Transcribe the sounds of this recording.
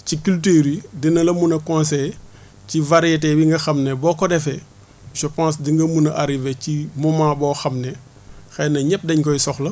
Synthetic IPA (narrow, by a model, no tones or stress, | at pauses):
cikyltiɾidinɐlɐmunɐkɔ̃ːns̬ɛj | civaɾijetɛbiŋɡɐxɐmnebɔːkɔdɛfɛ | ʃɔpãːs̬diŋɡɐmunɐʔaɾivecimumaːbɔːxɐmne | xɛnɐɲɛp̚dɐɲkɔjsɔxlɐ